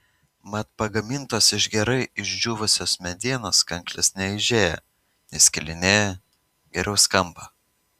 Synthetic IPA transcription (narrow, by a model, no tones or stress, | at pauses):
mɐt̪pɐɡɐmʲɪnt̪oːsɪʒɡʲɛɾɐɪɪʒʲd͡ʒʲuːʋʊsʲoːsmʲɛd̪ʲiɛnoːskɐŋklʲɪsnʲɛɪʒʲeːjɛ̰ | ɪsʲkʲɪlʲɪnʲeːjɛ | ɡʲɛɾʲɛʊskɐmˑbɐ